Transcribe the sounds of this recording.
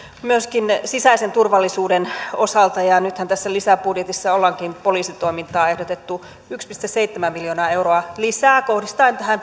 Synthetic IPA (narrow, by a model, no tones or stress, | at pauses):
myøskinsisæisent̪urʋɑlːisuːdenosɑlt̪ɑjɑnyt̪hænt̪æsːælisæpudjet̪isːɑolːɑŋkinpoliːsit̪o̞imint̪ɑːehdot̪et̪ːu | ykspist̪esseit̪ːemæmmiljoːnɑːeuroɑlisæːkohdist̪ɑint̪æhæn